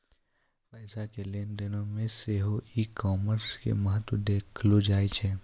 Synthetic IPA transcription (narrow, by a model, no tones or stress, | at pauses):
pɛːsakeleːnd̪ɪnõmẽseɦoikɔːməɾskḛmɐɦət̪wəd̪eːkʰlod͡ʒaːit͡ʃʰe